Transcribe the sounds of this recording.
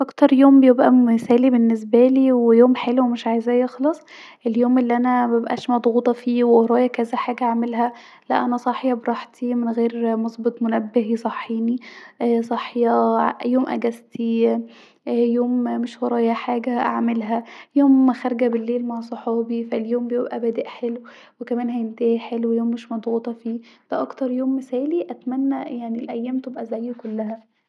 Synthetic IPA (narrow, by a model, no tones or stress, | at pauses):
ʔɑkt̪ɑɾˤjoːmbejebʔæsæːlibenːes̬bæliːwejoːmħeluwemeʃʕaːjzæːjexlɑsˤ | ʔeljoːmʔelːiʔænæmæbebʔæ̰ːʃmɑd̪ˤɣuːt̪ˤɑfiːwewoɾˤɑːjɑkæzæħaːɡæʔʕmelɦæ | læ̰ʔænæsˤɑħjɑbɾˤɑħt̪ʰimenɣeːɾmɑsˤbet̪ˤmonæbːeɦisˤɑħːiːniʔsˤɑħjɑjoːmʔæ̰ɡæzt̪i | joːmmeʃwɑɾˤɑːjæħaːɡæʔa̰ʕmelɦæjoːmæxæɾˤɡæbelːeːlmaʕsˤoħɑːbifæljoːmbejebʔæbæːd̪eʔħelw | wekæmæːnɦæjent̪æːħelwejoːmːeʃmɑd̪ˤɣuːt̪ˤɑfiːd̥æʔɑkt̪ɑɾˤjoːmːesæːliʔæt̪mænːæjaʕnilʔæjːæːmt̪ebʔæzæjːkolːæhæ